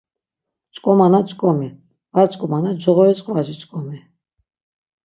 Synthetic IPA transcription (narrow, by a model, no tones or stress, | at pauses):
t͡ʃʼkʼɔmanat͡ʃʼkʼɔmi | vaɾt͡ʃʼkʼɔmanad͡ʒɔʁɔɛt͡sʼqʼvad͡ʒit͡ʃʼkʼɔmi